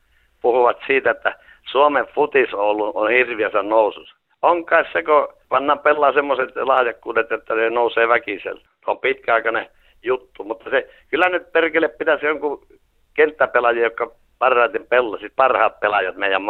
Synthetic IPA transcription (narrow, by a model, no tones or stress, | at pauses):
puhuʋɑt̪siːt̪æet̪ːæ | suomeʋfut̪isoˑolːuo̰nhirʋiæsænnoˑususɑ̥ | oŋkˑɑˑissekopɑnːɑːmpelːɑːsemːoset̪lɑhjɑkːuːdet̪jot̪ːɑnenoˑuseːʋækisḛlː | ompit̪kæɑˑikɑne | jut̪ːumut̪ːɑse | kylːænyt̪̚perkeleppit̪æsoŋku | kent̪ːæpelɑjiːjokːɑ | pɑrːɑet̪impelːɑsit̪pɑrhɑːt̪̚pelɑjɑt̪meˑijæm